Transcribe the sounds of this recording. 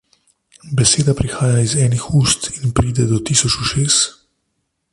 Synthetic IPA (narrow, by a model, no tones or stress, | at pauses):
bɛseːd̪apɾixaːjaizɛːnixuːst̪inpɾiːd̪ɛd̪ɔt̪iːsɔt͡ʃuʃeːs